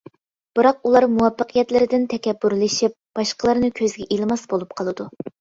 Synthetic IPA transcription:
b̥ɨɾɑq̚ulˠɑɾmuwɑpːəqʰijɛt̪lɪɾɪd̪ɪnt̪ʰɛkʲɛbːyɾlɨʃip̚b̥ɑʃqəlˠɨɾnɨkʲʰøzɡʲɛʔilˠɨmɑsbolˠup̚qʰɑlˠɨd̪u

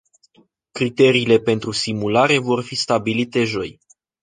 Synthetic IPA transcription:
kɾit̪e̞ɾiːle̞pe̞nt̪ɾusimulaɾe̞vo̞rfist̪abilit̪e̞ʒo̞j

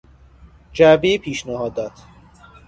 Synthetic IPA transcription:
d͡ʒæbejepʰiːʃnæhɒːd̪ɒːt̪ʰ

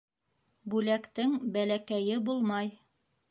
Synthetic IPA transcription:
bʉlækt̪ɘŋbælækæjɘbulˠmɑj

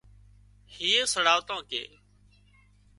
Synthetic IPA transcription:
hiːeːsəɽaːʋt̪ãːkḛː

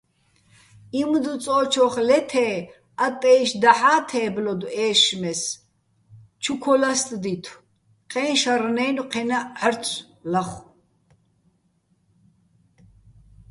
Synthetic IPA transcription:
imd̪ut͡sʼɔːt͡ʃʰɔχlɛt̪ʰɛː | at̪ʼɛːʃd̪aħaːt̪ʰɛːblɔd̪uɛːʃmɛs | t͡ʃʰukʰɔlast̪ʼd̪it̪ʰw | qʼɛːnʃaɾnɛːnuqʰɛnaʕəɾʰʼ | laχ

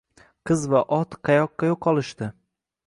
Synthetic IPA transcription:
qʰɨzvaʔɒt̪qʰɑjɒqːɑjoqʰːɒlˠɪʃt̪ɪ

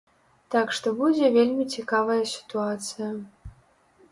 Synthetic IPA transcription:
t̪akʂt̪ɔbud͡zʲɛvʲelʲmʲit͡sʲikavɐjɐsʲi̥t̪uat̪sɨjɐ

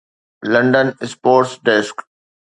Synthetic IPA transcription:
lə̃ɳɖənɪspoːɾʈsɖɛsk

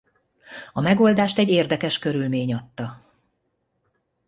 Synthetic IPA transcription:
ɒmɛɡo̞ld̪aːʃt̪ɛɟːeːrd̪ɛkɛʃkø̞ɾylmeːɲɒt̪ːɒ

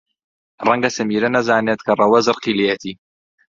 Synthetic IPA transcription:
rɐŋɡɐsɨmiːɾɐnɐzaːneːt̪̚kʰɐrˤɐwɐzɨɾqilejɛt̪ʰiː

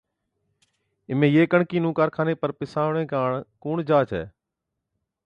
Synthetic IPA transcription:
ɪmẽːjeːkəɳkiːnũːkaːɾkʰaːneːpəɾpɪsaːʋɳẽːkaːɳkuːɳd͡ʒaːt͡ʃʰɛ̰ː

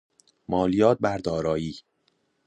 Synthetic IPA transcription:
mɒːlijɒːt̪̚bæɾd̪ɒːɾɒːjiː

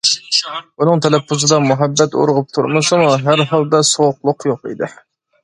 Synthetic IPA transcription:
bunɨŋt̪ʰɛlɛpʰːuzɨd̪ɑmuɦɛbːɛt̪o̰ɾʁʊp̚t̪ʰuɾmɨsɨmuɦæɾɦɑlˠd̪ɑsoqlˠʊqjoqḭd̪ɪ

